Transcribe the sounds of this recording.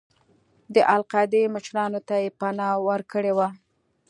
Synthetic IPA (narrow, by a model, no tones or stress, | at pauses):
d̪əʔalqɑd̪eməʃɾɑnot̪ajepanɑwəɾkəɽewa